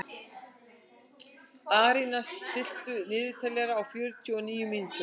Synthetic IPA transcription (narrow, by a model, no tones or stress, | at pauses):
aːɾinast̪ɪl̥t̪ʏnɪːðʏt̪ʰalɛɾaːwfjœɾt̪ʰjɔniːjʏmint̪ʏ